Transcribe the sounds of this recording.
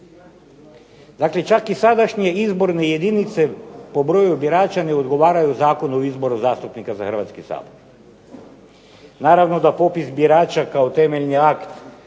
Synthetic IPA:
d̪akle̞t͡ʃakisad̪aʃɲeizbo̞ɾne̞je̞d̪init̪se̞po̞bɾo̞ːjubiɾaːt͡ʃaneod̪ɡo̞ʋaːɾajuzaːko̞noizbo̞ɾuzaːst̪upnikazaxr̩ʋat̪skisa̰ːboɾ | naːɾaʋnod̪apo̞pisbiɾaːt͡ʃakaot̪eme̞ʎniakt̪

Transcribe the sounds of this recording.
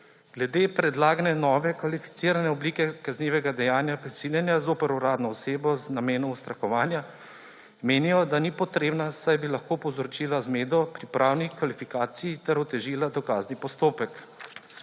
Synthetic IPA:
ɡ̥lɛd̪eːpɾɛd̪laːɡnɛnɔːʋɛkʋalifi̥t̪siːɾanɛɔbliːkɛkazniːʋɛɡad̪ɛjaːnjapɾisiːljɛnjazoːpɛɾuɾaːd̪nɔːseːbɔznameːnɔʊst̪ɾakɔʋaːnja | meːnijɔd̪anipɔt̪ɾeːbnasajbilaxkoːpɔwzɾɔt͡ʃiːlazmeːd̪ɔpɾipɾʔaːwnixkʋalifikaːt̪sijit̪ɛɾɔt̪ɛʒiːlad̪ɔkaːznipɔst̪oːpɛk

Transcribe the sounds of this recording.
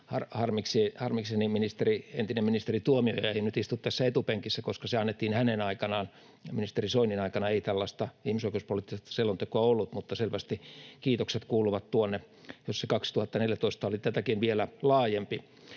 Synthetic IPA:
hɑrhɑrmiksehɑrmikseniminist̪erient̪inemminist̪erit̪uomio̰jɑeinyt̪ist̪ut̪t̪æsːæet̪upeŋkisːækoskɑseɑnːet̪ːiːnhænenɑikɑnɑːn | minist̪erisoininɑikɑnɑeit̪ælːɑst̪ɑihmisoikeuspoliˑt̪ːiset̪ɑ̥selːont̪ekoɑolːut̪mut̪ːɑselʋæst̪ikiːt̪okset̪kuːluʋɑt̪t̪uonːe | josekɑkst̪uhɑt̪ːɑneljæt̪oist̪ɑolit̪æt̪ækinʋielælɑːjempi

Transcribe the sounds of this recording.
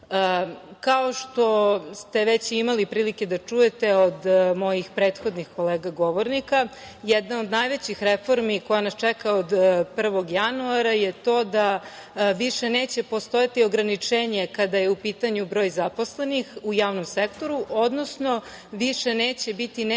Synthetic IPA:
kao̞ʃt̪o̞st̪e̞ʋet͡ɕimalipɾiːlike̞d̪at͡ʂuje̞t̪e̞od̪mo̞jixpɾeːt̪xo̞d̪nixko̞leːɡaɡo̞ʋo̞ɾnika | jɛd̪nao̞d̪najʋet͡ɕixɾefo̞ɾmikojanast͡ʃɛkaod̪pr̩ʋo̞ɡjanuaɾajet̪o̞ːd̪a | ʋiʃeneːt͡ɕe̞po̞st̪o̞jat̪io̞ɡɾanit͡ʂeːɲe̞kad̪ajeupiːt̪aɲubɾo̞ːjzapo̞sle̞nixujaːʋno̞msekt̪o̞ɾuʔod̪no̞sno̞ | ʋiʃeneːt͡ɕe̞bit̪in

